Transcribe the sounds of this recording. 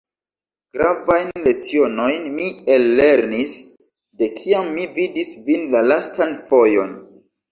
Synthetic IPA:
ɡ̥ɾavajnnle̞t͡sio̞no̞jnmie̞lːe̞ɾnis | de̞kʰiamːividisvinlalastanfo̞jo̞n

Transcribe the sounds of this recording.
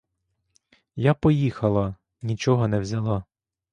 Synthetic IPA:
japɔjixɐlˠɐ | nʲit͡ʃɔɦɔnɛwzʲɐlˠɑ

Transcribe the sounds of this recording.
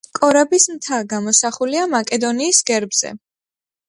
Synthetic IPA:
kʼɔɾabismt̪ʰaɡamɔsaχuliamakʼɛd̪ɔniːsɡɛɾbz̥ɛ̰

